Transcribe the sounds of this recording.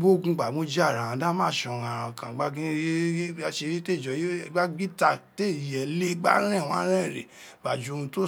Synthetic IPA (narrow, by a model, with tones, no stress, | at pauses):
bo˦˨ɡũ˧ɡ͡ba˨mo˦d͡ʒa˦˨ɾã˨ã˨˦dã˦mã˦˨ʃɔ˧˨ã˨ɾ̃ã˧˨kã˨ɡ͡ba˦ĩ˦a˦ʃe˧ɾi˦te˦˨d͡ʒɔ˨je˦˨ɡ͡ba˦ɡ͡bi˦ta˧te˦˨jɛ˨le˦ɡ͡ba̰˦ɾ̃ɛ̃˦˨w̃ã˨˦ɾ̃ɛ̃˦˨ɾḛ˨ | ɡ͡ba˨d͡ʒo˧ũ˧to˦